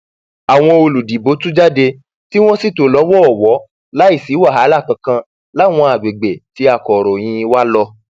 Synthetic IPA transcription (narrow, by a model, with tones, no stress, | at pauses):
a˨w̃ɔ̃˧o˧lu˨di˨bo˨˦tũ˦d͡ʒa˦˨de˧ | ti˦w̃ɔ̃˦si˦˨to˨˦lɔ˨˦wɔ˦ɔ˦˨wɔ˨˦ | la˦i˦˨si˨˦wa˦˨ɦa˨˦la˦˨kã˧kã˧ | la˦˨w̃ɔ̃˧a˨ɡ͡be˨ɡ͡be˨ti˨˦a˦˨kɔ˨ɾɔ˨j̃ĩ˧wa˦lɔ˧